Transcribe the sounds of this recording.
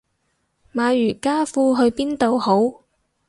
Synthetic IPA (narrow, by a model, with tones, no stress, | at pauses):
maː˨˧jyː˨˩kaː˥fuː˧ɦɵ˧ɥpiː˥nt̪o˨˧who˨˥w